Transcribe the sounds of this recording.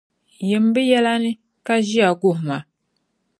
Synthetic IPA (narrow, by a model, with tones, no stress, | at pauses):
jɛ˨m˦bɨ˦jɛ˦la˦nɨ˦ | ka˦ʒi˦a˨ɡʊ˦˨hma˨